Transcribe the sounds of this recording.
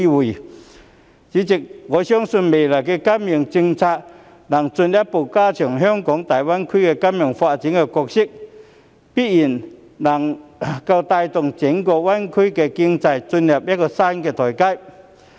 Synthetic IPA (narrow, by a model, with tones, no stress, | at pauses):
i˧wi˨˩ | t͡ɕi˨˥t͡si˧˩k̚ɣɔ˨˧˥ɕjɔ˥ŋsu˧nme˨˩la˨˩kɛ˧ka˥mji˧˩əŋt͡ɕi˧ŋt͡sʰa˧t̚ | na˨˩ŋt͡sʊ˧nlja˦˥pːo˨˩kaː˧t͡ɕʰi˨˩ŋɦœ˥˧˥ŋkɔ˨˦ŋt̪aː˨˩jwa˦˥nkʰi˥kɛ˧ka˥mjɔ˨˩ŋfa˧t͡ɕi˨˦ŋkɛ˧kɔ˧k̚ɕi˥k̚ | pi˦˥t̚ji˨˩n | na˨˩ŋka˧wt̪a˧jt̪ʊ˧˩ŋt͡ɕi˨˦ŋkɔ˧wa˥nkʰu˥kɛ˧ki˧ŋt͡sa˧jt͡sʊ˧nlja˧˩p̚ja˦˥kɔ˧sa˧˥˧kɛ˧t̪ʰɔ˨˩jka˧˥j